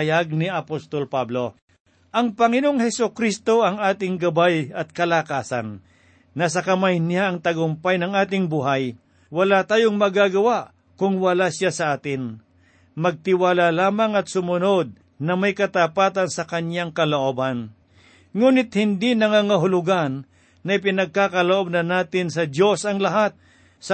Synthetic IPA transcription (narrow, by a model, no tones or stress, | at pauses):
jaɡ̚nɪɐpost̪olpablo̞ | ʔɐŋpɐŋɪnoŋhɛsʊkɾist̪o̞ʔɐŋaːt̪ɪŋɡɐbajɐt̪̚kɐlakaːsa̰nː | ɐs̬ɐkɐmajnɪjaʔɐŋt̪ɐɡʊmpajnɐŋaːt̪̬ɪŋbuɦaj | wɐlat̪aːjoŋmɐɡaːɡɐwaʔ | kʊŋwɐlasasɐʔaːt̪ɪn | mɐɡ̚t̪ɪwaːlalaːmɐŋɐt̪sʊmʊno̞d̪̚ | nɐmɐjkɐt̪apaːt̪ɐnsɐkɐnjaŋkɐloʔoːbɐn | ŋuːnɪt̪̚hɪnd̪inɐŋaːŋɐɦʊlʊɡanː | ɐɪp̬ɪnɐɡ̚kaːkɐloʔob̚nɐnaːt̪ɪnsɐd̪jo̞sɐŋlɐɦat̪̚ | sɐ